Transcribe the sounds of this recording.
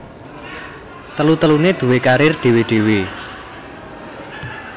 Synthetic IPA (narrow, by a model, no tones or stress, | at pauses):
t̪əlut̪əluned̪̥ṳwekaɾɪrɖ̪̥e̤wiɖ̪̥e̤wi